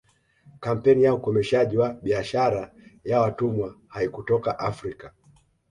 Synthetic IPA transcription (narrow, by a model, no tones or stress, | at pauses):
kam̩pɛnijaukɔmɛʃaʄiwaɓiaʃaɾa | jawatumwahaikutɔkaʔafɾika